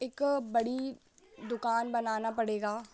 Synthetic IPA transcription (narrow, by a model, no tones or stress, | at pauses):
eːkbɐɽi | d̪ʊkaːnbɐnaːnapɐɽeːɡaː